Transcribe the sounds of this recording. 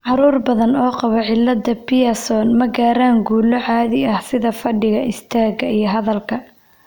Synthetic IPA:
ʕɑɾuːrbɐðɐnɔːqɑβɔʕɪlːɐd̪ɐpɪjɐsɔːnmɐɡaːɾaːŋɡuːlɔʕaːðɪɐhsɪðɐfɐɖɪɣɐʔɪst̪ʰaːɡɐijɞɦɐðɐlkʰɐ

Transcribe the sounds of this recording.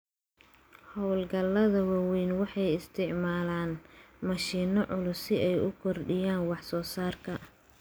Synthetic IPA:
hɔwlɡɐlːɐðɐwawɛːnwɑħɑjɪst̪ʰɪʕmaːlaːnmɐʃiːnɔʕʊlʊsɪɛjʊkʰɔrɖɪjaːnwɑħsɔːsaːrkʰɐ

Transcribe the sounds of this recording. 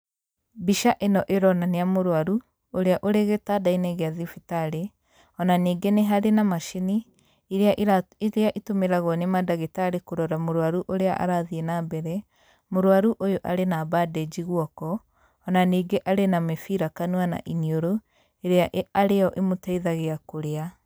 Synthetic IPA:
biʃaʔenɔʔeɾɔnaneamoɾwaɾu | oɾeaʔoɾeɣetadaineɣeaðifitaɾe | ɔnaniːɡeneɦaɾenamaʃiniː | ɾeaɾeaʔitomeɾaɣwɔnemadaɣetaɾekoɾɔɾamoɾwaɾuʔoɾeaʔa̰ɾaðienaːbɛɾɛ | moɾwaɾuʔojoʔaɾenabadɛd͡ʒiɣwɔkɔː | naniːɡeʔaɾenamɛfiɾakanuana̰ʔinioɾo | eɾeaʔaɾejɔʔemotaiðaɣeakoɾea

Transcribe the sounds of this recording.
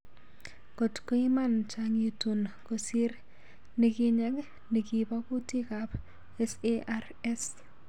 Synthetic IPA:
kotkoimant͡ʃaŋitunkosiɾ | nikiɲɛk | nikibakutikap | ɛseʔar | ɛs

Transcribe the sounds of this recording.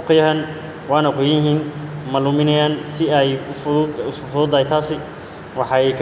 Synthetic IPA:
ʊqɪjɐɦɐn | wɑːnɐqʊjjɪɦiːnmɐlʊmɪnɐjaːnsɪɛj | ʊsʊfʊðʊːd̪ɐːjt̪ʰaːsɪ | wɑħɑɛjkʰ

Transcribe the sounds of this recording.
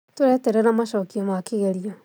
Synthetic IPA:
toɾɛtɛɾɛnamaʃɔkiɔmakiɣɛɾia

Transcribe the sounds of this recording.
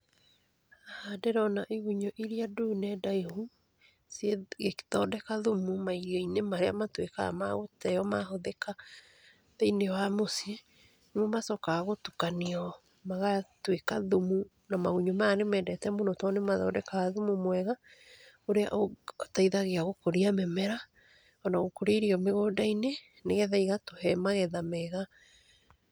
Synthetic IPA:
ahadeɾɔnaʔeɣuɲɔʔiɾiadonɛdaehu | seɣekðɔdɛkaðomumaiɣainemaɾeamatweka̰a̰maɣotɛɔmahoðɛka | ðeinewamosie | nemɔmasɔkaɣotukaneɔ | maɣatwekaðumu | namaɣuɲomaːnemɛːndɛtɛmonotɔnemaðaodɛkaːðumumwɛɣa | oɾea̰ʔotaiðaɣeaɣokoɾiamɛmɛɾa | ɔnaɣokoɾeɾiɔmeɣoːdaine | neɣɛðaiɣatohɛmaɣɛðamɛɣa

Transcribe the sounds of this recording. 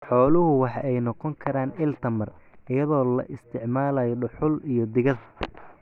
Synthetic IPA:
ħɔːlʊɦʊwɑħɑʔɛjnɔqɔŋkʰɐɾaːnɪlt̪ʰɐmɐrɪjɐðɔːlɐ̰ʔɪst̪ʰɪʕmaːlaːjɔɖʊħʊlijɞd̪ɪɣɐð

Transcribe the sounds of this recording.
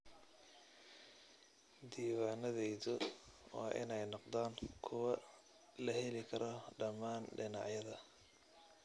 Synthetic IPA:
d̪iːwaːnɐðɛjðʊwɑ̰ːʔɪ̰nɛjnɔqd̪aːŋkʰʊwɐ | lɐhɛlɪkʰɐɾʔɔɖɐmaːnɖɪnɑ̰ʕjɐðɐ

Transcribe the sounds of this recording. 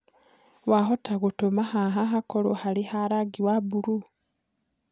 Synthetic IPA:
waɦotaɣutomahaɦaɦakolohalihaɾaɡiwabuɾu

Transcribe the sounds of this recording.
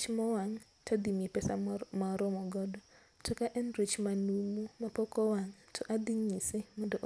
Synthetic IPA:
t͡ʃmɔwaŋ | tʰad̪imepɛsamaɾɔmɔɡɔdɔ | tʰɔkaʔɛndɾit͡ʃmanumumapɔkɔwaŋtʰɔʔad̪iɲisimondɔʔ

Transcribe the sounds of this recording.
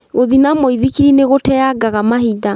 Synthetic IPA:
ɣoðinamɔiðikineɣotɛaɡaɣamaɦida

